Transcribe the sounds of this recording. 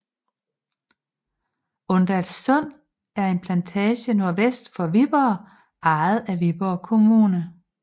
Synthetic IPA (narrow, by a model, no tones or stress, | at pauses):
ɔ̽nd̥ælssɔ̽n̰ | æɐe̝npʰlænt͡sʰɛːɕəno̝ɐʋesd̥fɒ̽ʋib̥ɐː | ʔɑ̈ɪð̞̩ˠæʋib̥ɒkʰo̝muːnə